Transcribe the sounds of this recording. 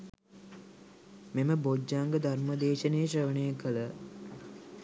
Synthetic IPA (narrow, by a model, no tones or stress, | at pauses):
meməbod͡ʒːaːŋɡəd̪ʱarməd̪eːʃənejəɕəʋənəjəkələ